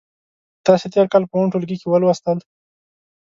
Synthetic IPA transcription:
t̪ɑset̪eɾkɑlpəuɳʈulɡikewəlwast̪əl

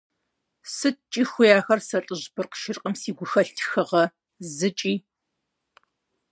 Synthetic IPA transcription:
sɨtt͡ʃʼiːxʷʊjaːxɐrsɐɬʼɨʑbɨrqʃɪrqʼəmsiːɡʷʊxɐɬtʰxɨʁɐ | zɨt͡ʃʼiː

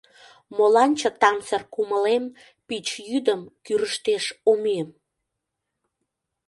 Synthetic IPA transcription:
molɑnʲt͡ɕə̆t̪ɑmt͡sərkuməlem | pit͡ɕjyd̪əmkyɾəʃt̪eʃomiəm

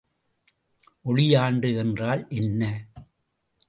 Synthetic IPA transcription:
ʔɔɻɪjaːɳɖɯɛndraːlʔɛnːɐ

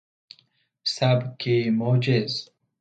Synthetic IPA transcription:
sabkimod͡ʒez

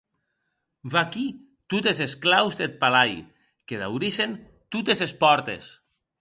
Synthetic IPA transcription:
vaki | t̪ut̪ezesklawzd̪et̪̚palaj | keða̰wɾisen | t̪ut̪ezespɔɾt̪ḛs

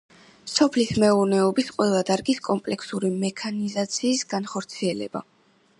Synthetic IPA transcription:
sɔpʰlismɛuɾnɛɔbisqʼwɛlˠad̪aɾɡiskʼɔmpʼlɛkʰsuɾimɛkʰanizat̪sʰiːsɡanχɔɾt̪sʰiɛlɛ̰ba̰

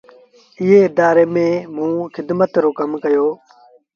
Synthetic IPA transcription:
ɪɦeːɪd̪aːɾeːmẽːmũːxɪd̪mət̪ɾoːkəmkəjoː

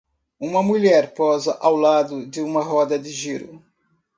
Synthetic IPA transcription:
ũmɐmuʎɛɾpɔzɐʔawlad̪ʊd͡ʒɪũmɐɦɔd̪ɐd͡ʒɪʒiɾʊ

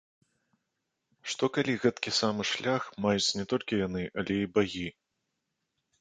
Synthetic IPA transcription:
ʂt̪ɔkalʲiɣɛt̪kʲisamɨʂlʲaxmajut͡sʲnʲɛt̪ɔlʲkʲijanɨʔɐlʲɛibaɣʲi

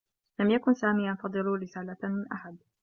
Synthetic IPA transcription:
lamjakʊnsaːmiːjɑnfɑd̪ˤɨluːɾɪsaːlamɪnʔaħad̪̚

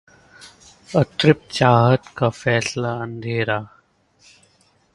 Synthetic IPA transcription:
ət̪ɾɪp̚t͡ʃaːɦət̪kafɛːslaə̃nd̪ʱeːɾaː

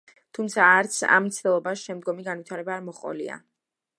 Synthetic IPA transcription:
t̪ʰumt̪sʰaːɾt̪sʰa̰mt̪sʰt̪ɛlˠɔbaʃɛmd̪ɡɔmiɡanvit̪ʰaɾɛbaːɾmɔχʼɔ̰lḭa̰

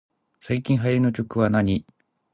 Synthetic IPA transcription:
saikʲĩɰ̃ɦajɾʲinok̬ʲo̞kɯ̟βanaɲ̟i

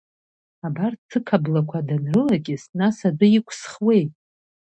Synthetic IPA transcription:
abart͡sʰɨkʰablakʷʰadanrɨlakʲʼɪsnasadɨikʷʰsχwe̞jtʼ

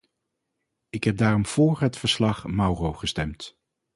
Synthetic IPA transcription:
ɪkɦɛb̚daːrɔmv̥ʊːɹɦətfəɹslɑχmɑwrowχəstɛmt

